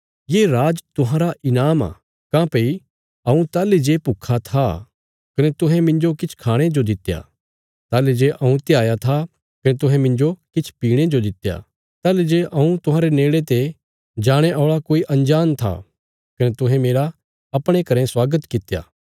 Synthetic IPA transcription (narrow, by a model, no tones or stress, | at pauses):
jeːɾaːd͡ʒt̪ʊɦãɾaʔɪnaːma̰ | kãːpei | ɐũt̪aːled͡ʒepukʰat̪ʰa | kɐnet̪ʊɦɛ̃mɪ̃nd͡ʒokɪt͡ʃʰkʰaːɽ̃ed͡ʒod̪ɪt̪ːja̰ | t̪aːled͡ʒeʔɐũt̪ɪjaːjat̪ʰa | kɐnet̪ʊɦɛ̃mɪ̃nd͡ʒokɪt͡ʃʰpiːɽ̃ed͡ʒod̪ɪt̪ːja̰ | t̪aːled͡ʒeʔɐũt̪ʊɦãːɾeneːɭet̪e | d͡ʒaːɽ̃eʔɔːɭakoːiʔɐ̃nd͡ʒaːnt̪ʰa̰ | kɐnet̪ʊɦɛ̃meːɾa | ɐpɽ̃ekɐɾɛ̃swaːɡət̪kɪt̪ːja̰ː